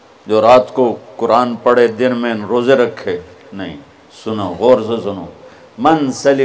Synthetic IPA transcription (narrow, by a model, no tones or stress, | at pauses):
d͡ʒoːɾaːt̪kokʊɾaːnpɐɽed̪ɪnmẽnɾoːzeɾɐkʰːeː | nɐɦḭ̃ | sʊnoɣoːɾs̬esʊnoː | mɐnsɐl